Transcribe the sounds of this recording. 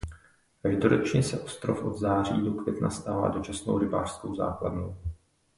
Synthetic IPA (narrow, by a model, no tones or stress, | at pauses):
kaʒdoɾot͡ʃɲɛsɛʔo̞st̪ɾofʔo̞d̪zaːr̝ḭːdukvjɛt̪na̰st̪aːva̰ːdo̞t͡ʃasno̰wɾɪba̰ːr̥skowza̰ːkladnow